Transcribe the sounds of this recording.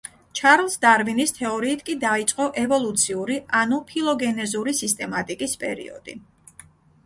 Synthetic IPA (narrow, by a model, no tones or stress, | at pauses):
t͡ʃʰaɾlˠsd̪aɾvinist̪ʰɛɔɾiːt̪ʰkʼid̪ait̪sʼqʼɔʔɛvɔlˠut̪sʰiuɾianupʰilˠɔɡɛnɛzuɾisist̪ʼɛmat̪ʼikʼispʼɛ̰ɾḭɔ̰d̪̥ḭ